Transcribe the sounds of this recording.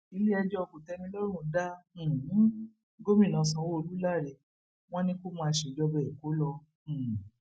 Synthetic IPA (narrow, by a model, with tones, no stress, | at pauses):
i˨˧le˦ɛ˧d͡ʒɔ˦ɔ˧ko˨tɛ˧mĩ˧˦lɔ˦ɾ̃ũ˧dã˦˨˦ | ɡo˦mĩ˦˨nã˨sã˧˦wo˦o˧lu˦la˦˨ɾɛ˨˧˨ | w̃ɔ̃˦nĩ˦ko˦mãː˧ʃe˨d͡ʒɔ˧bɛ˧˨i˨ko˨˦lɔ̃˧˨